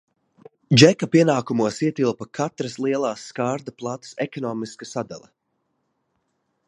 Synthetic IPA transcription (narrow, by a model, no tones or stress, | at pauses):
d͡ʒɛkapiɛnaːkumuɔsiɛt̪ilˠpɐkʰat̪ɾɐslˠiɛlˠaːsːkaːɾd̪aplˠat̪sɛkɔnɔːmiskasad̪a̰lʲˠɛ